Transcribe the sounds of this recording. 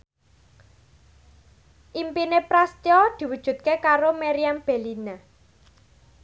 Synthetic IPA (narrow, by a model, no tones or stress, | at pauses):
ʔimpinepɾast̪jɔd̪̥i̤wud̥ʒ̥ṳt̪̚kekaɾomeɾiamb̥e̤lina